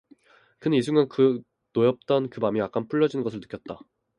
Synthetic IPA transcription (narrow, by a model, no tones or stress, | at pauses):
kɯnnisʰuŋankɯ | nojʌp̚t͈ʌnkɯmamiak͈anpʰuɭːʌd͡ʑinɯnŋɡʌsʰɯɭnɯ̥k͈jʌt̚t͈a